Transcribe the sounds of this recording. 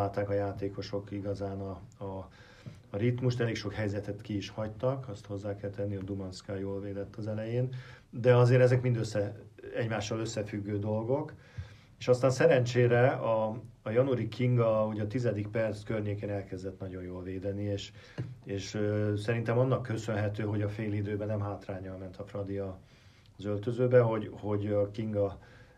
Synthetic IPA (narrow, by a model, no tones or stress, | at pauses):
aːlt̪aːkɒjaːt̪eːko̞ʃo̞kiɡɒzaːnɒɒː | ɾit̪muʃt̪ɛleːkʃokhɛjzɛt̪ɛt̪kiːʃhɒct̪ɒkɒst̪ho̞zːaːkɛlt̪ɛnːiɒd̪umɒnskaːjoːlveːd̪ɛt̪ʰːɒzɛlɛjeːn | d̪ɛɒzeːɾɛzɛkmind̪øsːɛɛɟmaːʃːɒløsːɛfyɡːøːd̪o̞lɡo̞k | eːʃɒst̪aːnsɛɾɛnt͡ʃeːɾɛɒːjɒnuɾikʰiŋɡɒɒɦo̞ɟɒt̪izɛd̪ikpɛrt̪skørɲeːkeːnɛlkɛzd̪ɛt̪nɒɟo̞njoːlveːd̪ɛnieːʃ | eːʃsɛɾint̪ɛmɒnːɒkːø̞sønɦɛt̪øːɦo̞ɟɒfeːlid̪øːbɛnɛmɦaːt̪raːɲɒlmɛnt̪ʰɒfrɒd̪iɒ | zølt̪øzøːbɛɦo̞ɟho̞ɟɒkiŋɡɒ